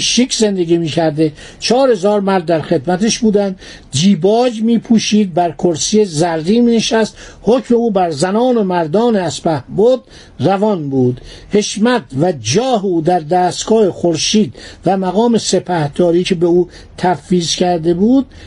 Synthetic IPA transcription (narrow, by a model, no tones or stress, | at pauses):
ʃikʰze̞nd̪eɡiːmiːcʰæɾd̪e | t͡ʃʰɒːɾhe̞zɒːɾmæɾd̪ːæɾxe̞d̪mæt̪ʰeʃbuːd̪ænd̪ | d͡ʒiːbɒːd͡ʒmiːpʰuːʃiːd̪̚bæɾkʰoɾsijezæɾːiːmiːneʃæst̪hocʰme̞uːbæɾzænɒːno̞mæɾd̪ɒːneæspæhbod̪̚ | rævɒnbuːd̪he̞ʃmæd̪væd͡ʒɒːɦeuːd̪æɾd̪æːst̪ɡ̥ɒːhexoɾʃiːd̪̥væmæɣɒːme̞se̞pʰæhd̪̥ɒːɾiːcʰe̞beuː | t̪ʰæfːiːzkʰæɾd̪e̞buːd̪̥̚